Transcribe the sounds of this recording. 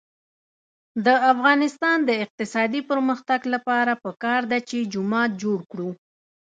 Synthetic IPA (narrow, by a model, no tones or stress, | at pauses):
d̪əafɣɑnɪst̪ɑnd̪əɪq̚t̪ɪsɑd̪ipəɾməxt̪aɡlapɑɾapəkɑɾd̪at͡ʃed͡ʒʊmɑt̪̚d͡ʒoɽkɽu